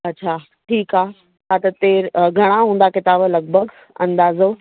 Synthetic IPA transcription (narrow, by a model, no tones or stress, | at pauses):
ɐɕʰaː | ʈʰiːkaː | kʰaːt̪ɐt̪eːɾɡʱɐɽ̃aɦũːn̆d̪akɪt̪aːblɐɡ̚bʱəɡ | ɐ̰̃nd̪aːzo